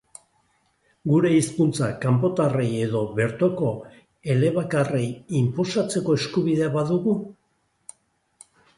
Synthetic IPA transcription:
ɡuɾe̞ispunt͡sakampo̞t̪areje̞ðo̞βe̞ɾt̪o̞ko̞ | e̞le̞βakarejimposat͡se̞ko̞e̞skuβið̞e̞aβaðuɣu

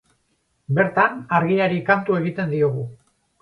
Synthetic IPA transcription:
be̞ɾt̪anaɾɣiaɾikant̪ue̞ɣ̞it̪e̞nd̪io̞ɣ̞u

